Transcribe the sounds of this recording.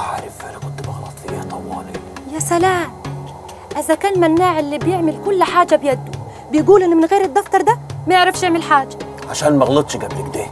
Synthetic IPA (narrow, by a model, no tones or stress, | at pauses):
ʕaɾˤɪfʔanakʊnt̪bɑɣlɑt̪ˤfieht̪ˤɑwːɑːlijasalaːm | ʔɪzakaːnmanːaːʕɪlːiːbjɪʕmɪlkʊlːħaːd͡ʒabjad̪ːʊ | bɪjɪɡuːlʔɪnːmɪnɣeːɾɪd̪ˤːɑft̪ɑɾˤd̪amajɪʕɾɑfʃjɪʕmɪlħaːd͡ʒːa | ʕaʃaːnmaɣlɨt̪ˤʃɡablɪkd̪eː